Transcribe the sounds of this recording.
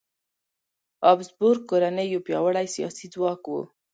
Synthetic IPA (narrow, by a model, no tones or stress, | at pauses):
ɑbzbʊɾkoɾanəjopjɑwaɽajsijɑ̰sid͡zwɑkwṵ